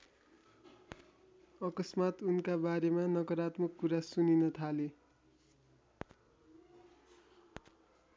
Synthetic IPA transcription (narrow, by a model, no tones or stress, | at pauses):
ʌkʌsmat̪unkabaɾemanʌkʌɾat̪mʌkːuɾasuninʌt̪ʰale